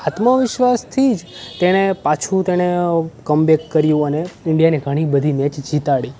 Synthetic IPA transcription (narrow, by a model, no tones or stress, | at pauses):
hat̪maʋɪʃʋast̪ʰid͡ʒt̪eɽ̃epat͡ʃʰũt̪eɽ̃ekəmbekːəɾjũəneɪɳɖijaneɡʱəɽ̃ibəd̪ʱimɛ̃t͡ʃd͡ʒit̪aɭi